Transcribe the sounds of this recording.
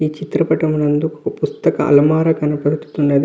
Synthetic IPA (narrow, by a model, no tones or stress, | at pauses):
iːt͡ʃit̪ɾɐpɐʈɐmunɐnd̪ukɐpust̪ɐkɐʔɐ̰lɐmaːɾɐkɐnɐpɐɽut̪u̥t̪unːɐd̪i